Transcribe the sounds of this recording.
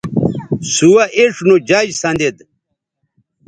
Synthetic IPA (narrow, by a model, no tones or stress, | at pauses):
suwɐʔeʂnod͡ʑɐd͡ʑsɐnd̪ed̪